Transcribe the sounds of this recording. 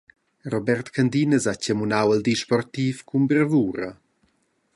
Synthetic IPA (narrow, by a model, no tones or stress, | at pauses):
ɾɔbɛrt̪kʰand̪inəzacəmunawəld̪iʃpɔrt̪iːfkʰumbəɾvuːɾə